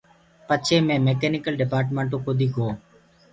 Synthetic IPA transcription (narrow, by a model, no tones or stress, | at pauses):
pət͡ʃʰeːmẽːmeːkeːnɪkəlɖɪpaːɾʈ̬mẽːɳʈõːkoːd̪iːkoː